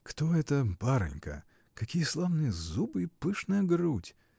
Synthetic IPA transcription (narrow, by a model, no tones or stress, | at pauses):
kt̪oɛt̪əpaɾɨ̰nʲkə̰ | kɐkʲijəslˠavnɨjəzubɨipɨʂnəjəɡɾutʲ